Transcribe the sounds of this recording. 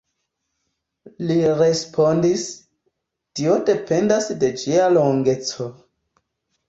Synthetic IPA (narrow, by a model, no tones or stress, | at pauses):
liɾe̞spʰondis | tio̞de̞pe̞ndasde̞d͡ʒialoŋɡe̞t͡so̞